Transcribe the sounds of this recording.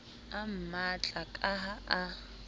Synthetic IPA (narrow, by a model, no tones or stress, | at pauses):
am̩mat͡ɬʼakʼaɦaa